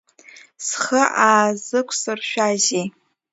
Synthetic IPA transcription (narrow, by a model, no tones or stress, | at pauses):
sχəʔaːzɨkʷʰsɨrʃᶣaʒej